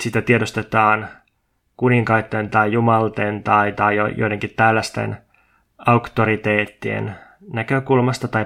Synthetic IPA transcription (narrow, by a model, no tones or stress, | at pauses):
sit̪æt̪iedost̪et̪ɑːn | kuniŋkɑit̪ːent̪ɑjjumɑlt̪ent̪ɑit̪ɑijojoijdeŋkit̪t̪ælːæst̪ḛn | ɑukt̪oɾit̪eːt̪ːiḛn | nækøkulmɑst̪ɑt̪ɑj